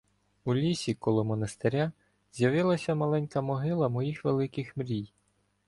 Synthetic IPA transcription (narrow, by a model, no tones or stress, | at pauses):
ulʲisʲikɔlˠɔmɔnɐst̪eɾʲa | z̥ʲjɐʋɪlˠɐsʲɐmɐlˠɛnʲkɐmɔɦɪlˠɐmɔjixʋelˠɪkɪxmɾʲij